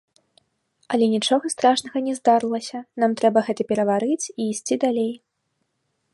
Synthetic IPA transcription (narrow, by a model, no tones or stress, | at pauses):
ɐlʲɛnʲit͡ʂɔɣɐst̪ɾaʂnɐɣɐnʲɛzd̪aɾɨlˠɐsʲɐnamt̪ɾɛbɐɣɛt̪ɐpʲɛɾɐvaɾɨt͡sʲiːsʲt͡sʲid̪alʲej